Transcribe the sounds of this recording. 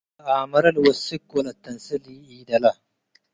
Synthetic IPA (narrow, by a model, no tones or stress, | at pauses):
aːmɐɾɐlwɐsikwɐlɐt̪ːɐnsiliiːd̪ɐlɐ